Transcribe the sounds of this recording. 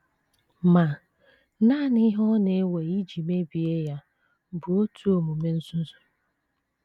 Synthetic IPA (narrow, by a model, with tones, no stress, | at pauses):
ma˨ | naː˦˨n˦ɪ˦ɦɔ˦ne˦we˨i˦d͡ʒi˨me˦bi˨e˦ja˦˨ | bʊ˨o˦tʰu˦o˨mu˨me˦n̩˦sʊ˦zʊ̥˨